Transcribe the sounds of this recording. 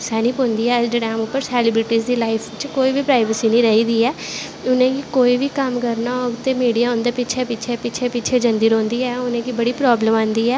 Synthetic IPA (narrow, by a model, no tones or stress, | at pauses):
sɛːniːpõːnd̪iːɛːɖɪɽɛ̃ːmʊpːəɾsɛːlɪbɾɪʈiːzd̪iːlaːɪpʰt͡ʃkoːiːbiːpɾaːɪʋəsiːnĩːɾəɦiːd̪iːɛː | ʊnẽːkikoːiːʋiːkəmkəɾnaːʊt̪ːeːmiːɽijaːʊ̃nd̪eːpɪt͡ʃʰeːpɪt͡ʃʰeːpɪːt͡ʃʰeːpɪt͡ʃʰeːd͡ʒənd̪iːɾõːnd̪iːɛːʊnẽːkiːbəɽiːpɾɔːbləmãːnd̪iːɛː